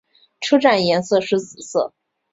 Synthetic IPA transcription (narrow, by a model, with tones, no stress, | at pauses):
ʈ͡ʂʰu˥ʈ͡ʂa˥˩njɛ˧˥nsɤ˥˧ʂɻ̩˥t͡sɹ̩˨˩sɤ̰˥˩